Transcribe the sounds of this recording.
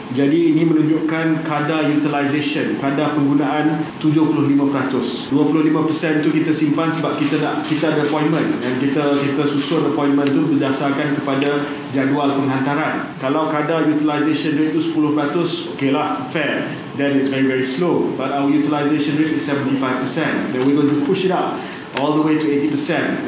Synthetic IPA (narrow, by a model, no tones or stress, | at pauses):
d͡ʒadiːnĩmə̃nũɲd͡ʒʊʔkankadajut̪ilajzeʃənkadapəŋɡunaʔant̪ud͡ʒʊhpulʊɦlimãpəɾat̪ʊs | duəpulʊhlimãpəsɛnt̪ukit̪asimpansəbap̚kit̪anaʔkit̪aadəəpɔjĩnmə̃ndankit̪akit̪asusʊnəpɔjnmə̃nt̪ubərdasarkankəpada | d͡ʒadualpəŋɦant̪aɾankalawkadajut̪ilajzeʃə̃nret̪̚t̪ːusə̥pulʊhpəɾat̪ʊsokelahfɛ | dɛ̃nɪtsvɛɹivɛɹislobatawəjut̪ilajzeʃə̃nɹet̪ɪsːɛvə̃nt̪ifajfpəsɛ̃ndɛ̃nwiɡõntupuʃɪtap̚ | ʔɔld̪əwet̪uet̪ipəsɛ̃n